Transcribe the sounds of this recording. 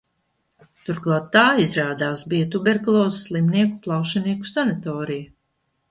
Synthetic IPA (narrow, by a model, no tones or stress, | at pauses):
t̪uɾklˠat̪ːaːizɾaːd̪aːsbijɐt̪ubɛɾkulˠɔːzslˠimniɛkuplˠɑwʃaniɛku̥sanat̪ɔːɾijɐ